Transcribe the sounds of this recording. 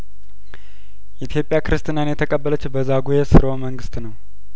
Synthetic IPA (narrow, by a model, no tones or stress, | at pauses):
jɛʔit̪ʰjo̞pʼjakɨɾɨst̪ʰʼɨnanjɛt̪ʰəkʼəbːələt͡ʃːbəzaɡujɛsɨɾəwməŋɡɨst̪nəw